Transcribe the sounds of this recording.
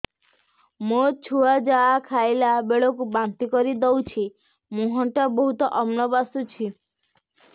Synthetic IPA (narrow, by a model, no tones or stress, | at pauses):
mot͡ʃʰuad͡ʒaːkʰajlabeɭɔkubant̪ikɔɾid̪ɔwt͡ʃʰi | mũɦɔ̃ɳʈabɔɦut̪ɔʔɔmnɔbasut͡ʃʰi